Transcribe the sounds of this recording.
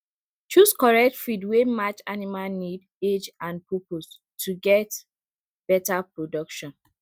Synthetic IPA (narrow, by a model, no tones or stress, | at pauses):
t͡ʃuskɔɹɛk̚tfidwemat͡ʃanimalnid | ed͡ʒãnpɔpos | tʰuɡɛt | b̥ɛtapɹodɔkʃɔ̃n